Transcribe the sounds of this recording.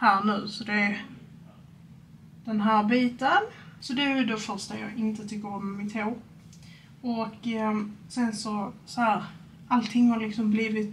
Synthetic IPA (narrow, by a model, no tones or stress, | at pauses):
hæːɾnʉ̟ːsɔd̪ɛ | d̪̥ɛnɦæːɾbiːt̪ənsɔd̪ɛæjʉd̪ɛfœɾʂt̪ajɑ̰ːɡɪnt̪ət̪ʰʏkːəɾɔmːɪt̪ʰeː | ɔkː | sɛnsɔsɔhæːɾ | alt̪ʰɪŋːhaɾlɪksɔmbliːvɪt̪